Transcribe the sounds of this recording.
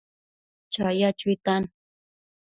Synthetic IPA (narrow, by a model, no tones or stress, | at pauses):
t͡ʃajat͡ʃit̪an